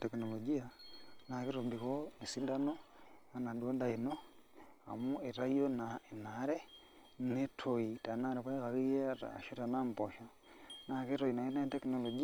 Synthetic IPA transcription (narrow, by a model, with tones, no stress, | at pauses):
tɛ˨kno˨lo˨d͡ʒi˦a˦na˨ki˦ɾo˨mbi˨ko˦ni˨si˦da˦no˦a˨na˨dwo˦nda˨i˨no˦ | a̰˨mu˦e˨ɾa˦jo˦na˨e˨na˨˦ɾe˦ | ne˦tʰo˨i˨ta˨na˦˨ɾe˨pa˦i˦ka˨ɾi˦je˦a˨ɾa̰˨ʃo˦ta˨na˦m˨pɔ˨ʃa˨ | na˨ke˦ɾo˨i˨na˨je˦na˦tɛ˦kno˨lo˨d͡ʒi˦